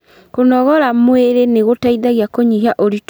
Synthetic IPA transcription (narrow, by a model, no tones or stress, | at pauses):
konɔɣɔɾamweɾeneɣotaiðaɣiakoɲiɦaʔoɾit